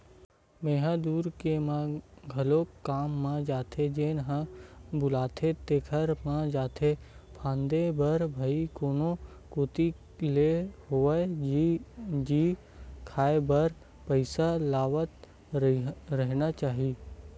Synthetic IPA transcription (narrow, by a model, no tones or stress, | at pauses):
meːɦãd̪uːɾkemãɡʱɐlokːaːmːãd͡ʒaːt̪ʰed͡ʒenɦãbʊlaːt̪ʰet̪eːkʰəɾmãd͡ʒaːt̪ʰepʰãːnd̪ebəɾbʱəikoːno | koːt̪i | leɦo | d͡ʒi | kʰaːebəɾ | pəɪsalaːʋət̪ | ɾəɦnat͡ʃaːɦi